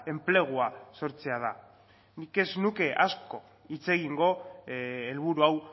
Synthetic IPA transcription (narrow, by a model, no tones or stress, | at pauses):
e̞mple̞ɣ̞uaso̞ɾt͡se̞að̞a | nike̞znuke̞ʔasko̞ | it͡se̞ɣ̞iŋɡo̞ | elβuɾuaw